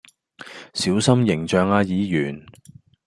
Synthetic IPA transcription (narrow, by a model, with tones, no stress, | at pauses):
siː˨˥wsɐ˥mjɪ˨˩ŋt͡ʃœː˨ŋaː˧jiː˨˧jyː˨˩n